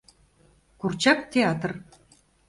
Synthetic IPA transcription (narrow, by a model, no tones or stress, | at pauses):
kurt͡ɕɑkt̪ʲeɑt̪r